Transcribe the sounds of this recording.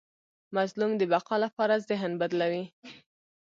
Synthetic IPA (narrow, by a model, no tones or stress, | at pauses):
mazlumd̪əbaqɑlapɑɾazɪɦnbad̪lawi